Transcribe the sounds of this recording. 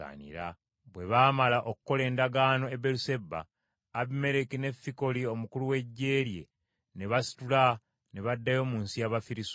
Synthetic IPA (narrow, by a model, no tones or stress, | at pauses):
a̰nḭɾa̰ | βwe̞βaːmalaʔokuko̞le̞ːndaɡaːno̞ebeluse̞bːa̰ː | βime̞ɾekine̞fːiko̞lio̞mukuluwe̞ɟːe̞ːɾje̞̰ | ne̞βasi̥tula | ne̞βadːajo̞ːmuːnsijaβafiɾis